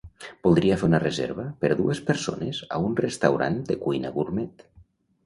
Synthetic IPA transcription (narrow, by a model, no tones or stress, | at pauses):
b̥ulˠd̪ɾiafeunərezḛɾβəpəɾðuespəɾso̰nəza̰unrəst̪awɾa̰nd̪əkujnəβurmɛt̪